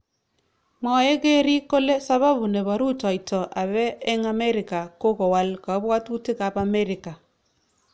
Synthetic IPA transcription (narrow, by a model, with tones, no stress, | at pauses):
mɔ˨je˦ɡe˦ɾi˦ko˦le˦sa˦βa˦βu˨ne˨βa˨ɾu˦tɔ˨ɪ˨tɔ˨ʔa˨βɛː˦ŋa˨me˦ɾɪ˨ka˨ko˦kɔ˨wa˦lka˨˦bwa˦tu˦tɪ˦ka˨pa˨me˦ɾɪ˨ka˨